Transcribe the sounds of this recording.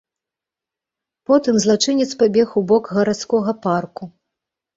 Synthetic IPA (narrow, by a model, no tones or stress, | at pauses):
pɔt̪ɨmzlˠat͡ʂɨnʲɛt̪spabʲɛxwbɔkɣɐɾat̪skɔɣɐparku